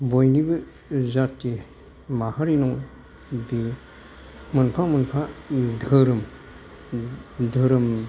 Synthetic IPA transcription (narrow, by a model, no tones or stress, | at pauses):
bojnibɯ | zati | mahaɾinɔŋ | bi | mənpʰamənpʰad̪əɾɯm | d̪ʱəɾɯm